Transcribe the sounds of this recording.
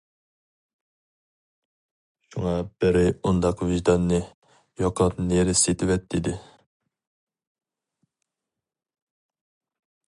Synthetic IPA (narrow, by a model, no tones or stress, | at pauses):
ʃuŋɑb̥ɪɾɪund̪ɑqviʒd̪ɑnːɨ | jɑqʰɑpneɾɪset̪ʰɪwɛt̪̚d̪id̪ɪ